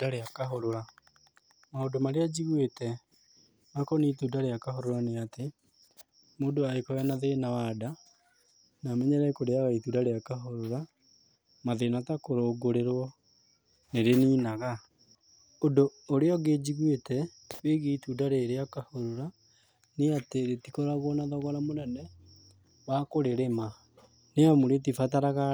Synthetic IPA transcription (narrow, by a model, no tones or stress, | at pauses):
daɾeakaɦoɾoɾa | maodomaɾead͡ʑiɣwetɛ | makɔnituːdaɾeakaɦoɾoɾaneate | moːndoaekɔwɛnaðenawada | namɛɲɛɾɛkoɾeaɣaituːdaɾeakaɦoɾoɾa | maðenatakoɾoːɡoɾeɾwɔ | neɾeniːnaɣa | odoːɾeɔɡed͡ʑiɣwetɛ | weɣiitudaɾeɾeakahoɾoɾa | neateɾetikɔɾaɣwɔnaðɔɣɔɾamonɛnɛ | wakoɾeɾema | neamoɾet̬ifataɾaɣa